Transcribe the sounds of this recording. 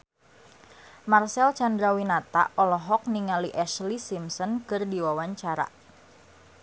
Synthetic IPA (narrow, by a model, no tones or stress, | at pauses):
marsɛlt͡ʃandɾawinat̪a̰ɔlɔɦɔk̚niŋaliʔɛʃlisimsɔnkɨrdiwawaɲt͡ʃaɾa̰